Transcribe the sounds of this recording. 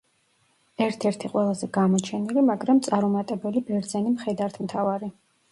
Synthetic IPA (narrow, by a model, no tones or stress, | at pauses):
ɛɾt̪ʰɛɾt̪ʰiqʼwɛlˠazɛɡamɔt͡ʃʰɛnilimaɡɾamt̪sʼaɾumat̪ʼɛbɛlibɛɾd̪zɛnimχɛd̪aɾt̪ʰmt̪ʰavaɾi